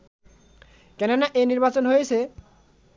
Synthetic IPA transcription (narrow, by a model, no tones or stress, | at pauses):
kɛnenaʔeniɾbat͡ɕonɦojet͡ɕʰe